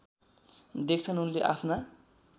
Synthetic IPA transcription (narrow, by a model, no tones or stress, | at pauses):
d̪ek̚t͡sʰʌnunleʔapʰna